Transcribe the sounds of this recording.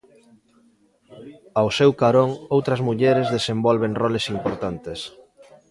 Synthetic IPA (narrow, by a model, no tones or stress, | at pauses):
awsewkaɾoŋowt̪ɾɐzmuʎɛɾezðesembɔlβeŋrɔlesimpoɾt̪ant̪es